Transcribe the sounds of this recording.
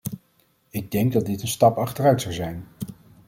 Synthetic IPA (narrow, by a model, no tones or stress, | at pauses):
ɪɡ̚dɛŋɡ̚dɑd̚dɪtənstɑpɑχtərœɥtsɑwzɛjn